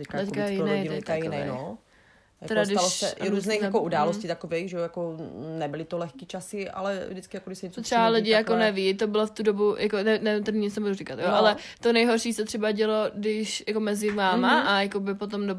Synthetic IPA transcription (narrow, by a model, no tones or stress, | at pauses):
t̪ɛckaɛckajɪnɛjt̪ɛɛkajnɛjno | jaɛɾasdɪaloʃsɛʔɾuːznejjkoudaːlosciːt̪akovejxʒɛojakonɛbɪlɪt̪olɛxkit͡ʃasɪʔa̰lɛvdɪt͡skɪjakoɡdɪʃsɛɲɛt͡sot̪ɾ̥ɛalɪɟɪjjakonɛvit̪obɪloft̪udobujʔakonɛnɛt̪ɛdɪɲɪt͡snɛbudurɪkat̪joʔalɛ | t̪onɛjɦoɾʃiːsɛt̪r̥ɛbaɟɛlo̞dɪʃjako̞mɛzɪvaːmaajakobɪpot̪̬omdo